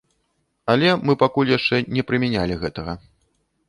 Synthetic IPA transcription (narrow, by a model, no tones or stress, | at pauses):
ɐlʲɛmɨpakulʲjaʂt͡ʂɛnʲɛpɾɨmʲɛnʲalʲiɣɛt̪ɐɣɐ